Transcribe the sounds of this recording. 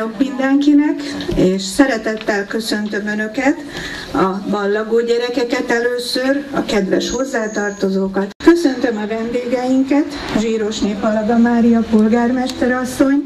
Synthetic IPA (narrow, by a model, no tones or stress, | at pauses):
okmind̪ɛŋkinɛkeːʃsɛɾɛt̪ɛt̪ːɛlkø̞sø̞nt̪ø̞mønø̞kɛt̪ | ɒmɒlːɒɡoːɟɛɾɛkɛkɛt̪ɛløːsørɒkɛd̪ʋɛ̰ʃho̞zːaːt̪ɒrt̪o̞zoːkɒt̪kø̞sø̞nt̪ø̞mɒvɛnd̪eːɡɛjiŋkɛt̪ | ʒiːɾo̞ʃneːphɒlɒd̪ɒmaːɾijɒpulɡaːrmɛʃt̪ɛɾɒsːo̞ɲ